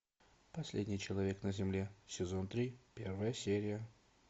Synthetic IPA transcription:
pɐsʲlʲḛdʲnʲɪjt͡ɕɪlˠɐvʲe̞knəzʲɪmlʲesʲɪzont̪ɾʲipʲe̞rvəjəsʲeɾʲɪjə

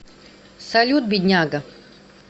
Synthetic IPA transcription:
sɐlʲut̪̚bʲid̪ʲnʲaɡə

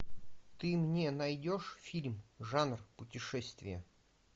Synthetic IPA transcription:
t̪ɨmnʲenɐjdʲoʂfʲilʲmʐanrpʊtʲɪʂɛsʲt̪vʲɪ̰jə

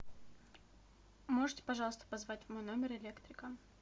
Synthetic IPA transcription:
mo̞ʐɨtʲɪ̥pɐʐɑlˠəst̪ə̥pɐzvatʲvmo̞jno̞mʲɪrɪlʲe̞kt̪ɾʲɪkə

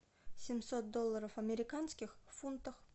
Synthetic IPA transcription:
sʲɪmʲsot̪̚d̪olˠːəɾəfɐmʲɪɾʲɪkanskʲɪxfunt̪əf

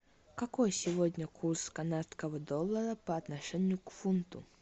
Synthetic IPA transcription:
kɐkojsʲɪvodʲnʲəkurskanat̪skəvəd̪olˠːəɾəpəɐt̪nɐʂɛnʲɪjʊkfunt̪ʊ̰

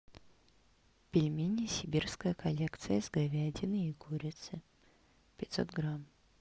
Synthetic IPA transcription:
pʲɪlʲmʲinʲɪsʲɪbʲirskəjəkɐlʲekt̪sɨjəzɡɐvʲædʲɪnɨiɡuɾʲɪt̪sɨ | pʲɪt̪so̰t̪ɡɾam

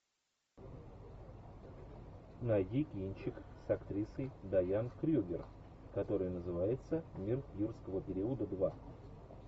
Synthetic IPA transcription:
nɐjʲikʲinʲt͡ɕɪksɐkt̪ɾʲisəjd̪ɐjankɾʲuɡʲɪr | kɐt̪o̞ɾɨjnəzɨvajɪt̪səmʲirfjurskəvəpʲɪɾʲiəd̪əd̪va

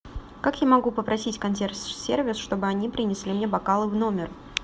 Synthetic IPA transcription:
kakjamɐɡupəpɾɐsʲitʲkɐnʲt̪̬ʲerssʲervʲɪsʂt̪o̞bɨɐnʲipɾʲɪnʲɪslʲimnʲebɐkalˠɨvno̞mʲɪr

